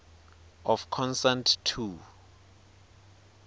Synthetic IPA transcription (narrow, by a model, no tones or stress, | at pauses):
ɔfkʰɔ̃nsãntʰtʰːu